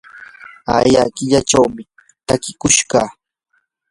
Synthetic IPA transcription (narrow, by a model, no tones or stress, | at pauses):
a̰jakɪʎaʈ͡ʂawmɪ | t̪akɪkʊʃɢɑː